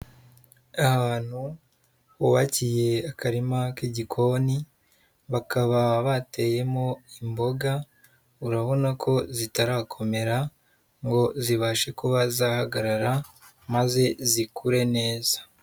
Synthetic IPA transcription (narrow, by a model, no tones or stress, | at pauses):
ahaːn̥hu | uβacije̞akaɾimakiɟikʰo̞ni | βakaβaβate̞ːje̞mo̞imbo̞ɡa | uɾaβo̞nakʰo̞zitaɾaːkʰo̞me̞ɾa | ŋɡo̞ziβaʃe̞kuβazaːhaɡaɾaɾa | maze̞zikʰuɾe̞ne̞ːzḁ